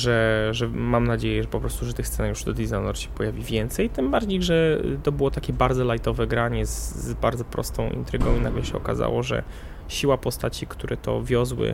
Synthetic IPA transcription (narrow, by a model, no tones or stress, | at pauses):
ʐɛʐɛmamnad͡ʑejɛʐɛpɔpɾɔst̪uʐɛt̪ɘxssɛnakjuʂd̪ɔd̪izanɔɾɕɛ̥pɔjavʲivʲjɛnt̪sɛjt̪ɘmbaɾd͡ʑejʐɛt̪ɔbɘwɔt̪akʲɛbaɾd̪ɔlajt̪ɔvɛɡɾaɲɛzbaɾd̪zɔpɾɔ̰st̪ɔ̃w̃ʔḭnt̪ɾɘɡɔ̃w̃inaɡlɛɕɛɔka̰za̰wɔʐɛ̰ | ɕiwapɔst̪at͡ɕikt̪uɾʔɛt̪ɔ̰vʲjɔzwɘ̰